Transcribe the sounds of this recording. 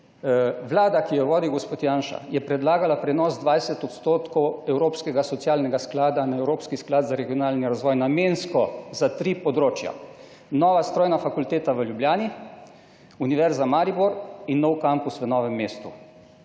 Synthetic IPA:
ʋlaːd̪akijɔʋoːd̪iɡɔspoːt̪jaːnʃa̰jɛpɾɛd̪laːɡalapɾɛnɔːzd̪ʋajsɛt̪ɔt̪st̪oːt̪kɔwɛwɾoːpskɛɡasɔt̪sjaːlnɛɡasklaːd̪anaɛwɾoːpskisklaːd̪zaɾɛɡijɔnaːlniɾazʋɔːjnamenskɔzat̪ɾiːpɔd̪ɾoːt͡ʃja̰ | nɔːʋast̪ɾoːjnafakult̪eːt̪aʋəljubljaːni | uniʋɛɾzamaːɾibɔɾinːɔwkampusʋənɔːʋɛmːeːst̪u

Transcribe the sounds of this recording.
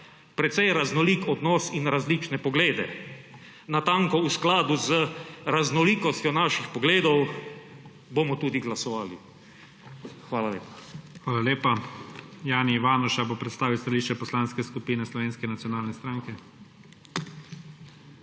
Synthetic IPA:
pɾɛt̪sɛjɾaznɔliːkɔd̪nɔːsinɾazliːt͡ʃnɛpɔɡleːd̪ɛ̰ | nat̪ãŋkɔusklaːd̪uzəɾaznɔliːkɔst̪ʲjɔnaːʃixpɔɡleːd̪ɔw | bomɔt̪uːd̪iɡlasɔʋaːlḭ | xʋaːlalḛːpḁxʋaːlaleːpa | jaːniːʋaːnɔʃabopɾɛt̪st̪aːʋiwst̪aliːʃt͡ʃɛpɔslaːnskɛskupiːnɛslɔʋeːnskɛnat̪sijɔnaːlnɛst̪ɾaːŋkɛ

